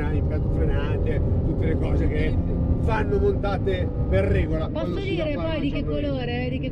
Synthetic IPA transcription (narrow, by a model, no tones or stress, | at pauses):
alimpat̪t̪sɾenanet̪ut̪ːelekɔːzeke | fanːomont̪aːt̪e | perːɛːɡolapɔsːod̪iːɾepɔjd̪ikekːoloːɾed̪ike